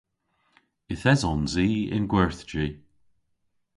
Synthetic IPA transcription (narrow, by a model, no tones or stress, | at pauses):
ɪθɛzɔnziːɪ̰nɡwɛɹθd͡ʒiː